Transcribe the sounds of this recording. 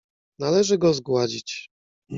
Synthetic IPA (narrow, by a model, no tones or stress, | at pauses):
nalɛʐɘɡɔzɡwad͡ʑit͡ɕ